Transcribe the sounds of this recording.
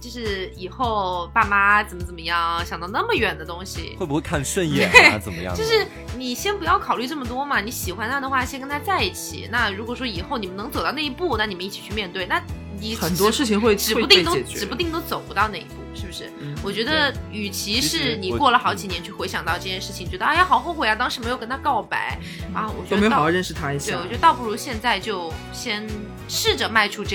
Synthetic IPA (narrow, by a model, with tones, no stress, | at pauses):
t͡ɕjo˥˧ʂɻ̩˥˩i˨˩xo˥˩ʊpa˥˩ma˥t͡sə˨˩mə˦˩t͡sə˨˩mə˦jɑ˥˩ŋɕjɑ˨˩ŋt̪ɑ˥˧ʊna˥˩mə˩ɥɛ˨˩nd̪ə˦t̪ʊ˥ŋɕḭ˨we˥˩bu˧xwe˥˧ɪkʰa˥˧nʂwə˥˧njɛ˥˩e˥˩˧t͡sə˨˩mmə̰˦jɑ̰˥˨jo˧ʊʂɻ̩˥˩ | ni˨˩ɕjɛ˥npu˧˥jɑ˥˩ʊkʰɑ˨˩ʊly˥˧ʈ͡ʂɤ˥˩mə˩t̪wɔ˥mɐ˨ni˧˥ɕi˨˩xwa˥nt̪ʰa˥˩d̪ə˨˩xwa˥˩ɕjɛ˥nkə˥nt̪ʰa˥t͡sa˥˧ɪi˥˩t͡ɕʰḭ˨˩na˥˩ɻu˧˥kwɔ˨˩ʂwɔ˥i˨˩xo˥˩ʊni˨˩mə˦nɤ˧˥t͡so˨˩ʊt̪ɑ˥˧ne˥˩˧pu˥˩na˥˩ni˨˩mə˦i˥˩t͡ɕʰi˨˩t͡ɕʰy˥˧mjɛ˥˧nt̪we˥˩ɪna˥˩ | ni˨˩xə˨˩nt̪wɔ˥ʂɻ̩˥˩t͡ɕʰi˨ŋxwe˥˩ɪʈ͡ʂɻ̩˨˩˥u˥t̪i˥˧˥t̪o˥ɛ˨ʈ͡ʂ̩˧˨˩pu˧˥t̪i˥˧ŋt̪o˧˥t͡so˨˩ʊpu˧˥t̪ɑ˥˧ʊne˥˩ɪḭ˧˩pu˥˩ʂɻ̩˥˩bu˩ʂɻ̩˥˩wɔ˨˩t͡ɕɥɛ˧˥d̪ə˧y˨˩t͡ɕʰi˧˥ʂɻ̩˥˩ni˨˩kwɔ˥˩lə˩xɑ˧˥ʊt͡ɕi˨˩njɛ˧˥nt͡ɕʰy˥˩xwe˧˥ɪɕjɑ˨˩ŋt̪ɑ˥˧ʊʈ͡ʂɤ˥˧t͡ɕjɛ˥˧nʂɻ̩˥˩t͡ɕʰŋt͡ɕɥɛ˧˥d̪jxɑ˨˥ʊxo˥˧ʊxwɪa˧˥t̪ɑ˥ŋʂɻ̩˧˥me˧˥jkə˥nt̪ʰa˥kɑ˥˩ʊpa̰˧˥˦ɪ | a˥˧˩wɔ̰˨˩t͡ɕɛ˧˥m˥e˧˥jɻə˥˩nʂɻ̩˧˩t̪ʰa˥i˥˩we˥˩˨wɔ˨˩t͡ɕɥ̪ə˧t̪ɑ˥˧ʊpu˥˩ɻu˧˥ɕjɛ˥˧nt͡sa˥˧ɪt͡ɕjo˥˩˧ʊ | ɕjɛ˥n | ʂɻ̩˥˩ʈ͡ʂɤ˩ma˥˩ɪʈ͡ʂʰu˥ʈ͡ʂ